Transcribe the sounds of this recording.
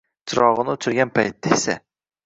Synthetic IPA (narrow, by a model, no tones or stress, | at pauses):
t͡ʃʰɪɾɒʁɨnɪʊt͡ʃʰʊɾɡʲanpʰajt̪̚d̪asa̰